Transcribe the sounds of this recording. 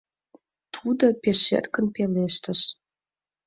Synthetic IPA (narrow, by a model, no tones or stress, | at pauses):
t̪ʰud̪opeʃḛrkə̆npeleʃt̪ə̆ʃ